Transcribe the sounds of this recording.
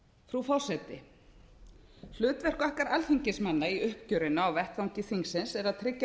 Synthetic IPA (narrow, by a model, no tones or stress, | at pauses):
fɾufɔr̥sɛt̪ɪ | l̥ʏːt̪vɛr̥kahkaɾalθiɲcɪsmanːaiʏhp̚cœɾɪnaːwvɛht̪vawŋcɪθiŋksɪnsɛɾaðt̪ʰɾɪcːa